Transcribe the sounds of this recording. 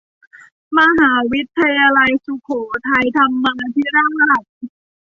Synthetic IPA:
ma˧ɦaː˩˦wi˦˥t̪ʰːa˧jaː˧la˧jsu˨˩kʰoː˩˦t̪ʰa˧jt̪ʰa˧mːaː˧t̪ʰi˦˥˩ɾaː˥˩ŋsa˧ɾa˨˩t̪̚

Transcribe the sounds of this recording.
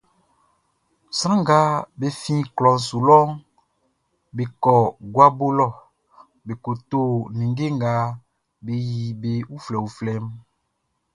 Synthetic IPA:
sɾ̃ã˦ŋɡa˦be˨fĩ˦klɔ˨n̩˨su˨lɔ˦ŋ | be˨kɔ˨ɡwa˦bo˦lɔ˦˨ | be˨ko˨t̪o˦nĩ˨ŋɡe˦ŋ˦ɡa˨˦ | be˨ji˨be˨wu˦flɛ˨wu˨flɛ˦m

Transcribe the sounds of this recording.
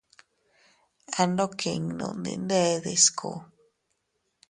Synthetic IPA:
a˧no˦kʰi˨ŋnṵ̃˨nd̪ḭ˧˨nde˦ðe˨skʰṵ˨

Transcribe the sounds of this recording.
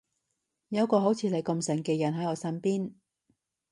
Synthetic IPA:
jɐ˨˧wkɔː˧ɦo˨˥wt͡sʰiː˨˧le˨˧jkɐ˧msɐ˨˩ŋkɛː˧jɐ˨˩nɦɐ˨˥jɔː˨˧sɐ˥npiː˥n

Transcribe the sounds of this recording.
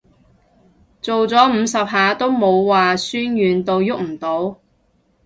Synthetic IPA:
t͡so˨wt͡sɔː˨˥m̩ː˨˧sɐ˨p̚ɦaː˨˧t̪o˥wmo˨˧wːaː˨syː˥njyː˨nt̪o˨˧wjʊ˥k̚m̩˨˩t̪o˨˥w

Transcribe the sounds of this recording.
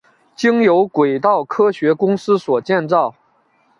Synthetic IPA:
t͡ɕi˥ŋjo˧˥ʊkwe˨˩ɪt̪ɑ˥˩ʊkʰɤ˥ɕɥɛ˧˥kʊ˥ŋsɹ̩˥swɔ˨˩t͡ɕjɛ˥˧nt͡sɑ˥˩ʊ

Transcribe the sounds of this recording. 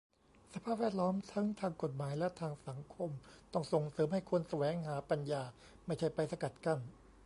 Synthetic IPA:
sa˧pʰaː˥˩p̚wɛː˥˩t̪̚lɔː˦˥mt̪ʰa˦˥ŋt̪ʰaː˧ŋko˨˩t̪̚maː˩˦jlɛ˦˥t̪ʰaː˧ŋsa˩˦ŋkʰo˧mt̪ɔ˥˩ŋso˨˩ŋsɤː˩˦mha˥˩jkʰu˧ənsa˧wɛː˩˦ŋɦaː˩˦pa˧njaː˧ | ma˥˩jt͡ɕʰa˥˩jpa˧jsa˧ka˨˩t̪̚ka˥˩m

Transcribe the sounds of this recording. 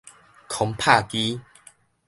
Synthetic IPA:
kʰɔ˨˧˦ŋpʰa˥˧ki˦

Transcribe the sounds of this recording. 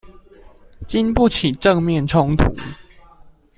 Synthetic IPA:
t͡ɕi˦˥npu˥˨t͡ɕʰi˨˩ʈ͡ʂə˥˨ŋmjɛ˥˨nʈ͡ʂʰo˦ŋt̪ʰṵ˨˦

